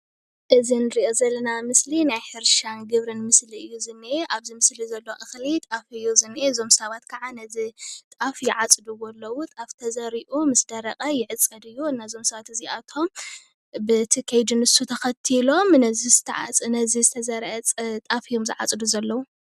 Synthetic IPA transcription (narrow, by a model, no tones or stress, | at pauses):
ʔɨzinɨɾiʔo̞zɐlːɐnamɨslinajħɨɾʃanɡɨβɾɨnmɨsliɨjːuzɨnːiʔeʔaβzimɨslizɐlːo̞ʔɨxlit̪ʼafɨjːuzɨnːiʔezo̞msɐβat̪kʰaʕanɐzit̪ʼafjɪʕat͡sʼɨd̪uwɔlːɐwut̪ʼaft̪ʰɐzɐɾiʔumɨsd̪ɐɾɐkʼɐjɪʕɨt͡sʼɐd̪ɨjːuɨnːazo̞msɐβat̪ɨziʔat̪ʰom | bɨt̪ʰikʰejd̪ɨnɨsut̪ʰɐxɐt̪ʰilo̞mnɐzizɨt̪ʰɐ̰ʕa̰t͡sʼnɐzizɨt̪ʰɐzɐɾʔɐt͡sʼt̪ʼafijo̞mzɨʕa̰t͡sʼɨd̪uzɐlːɐwu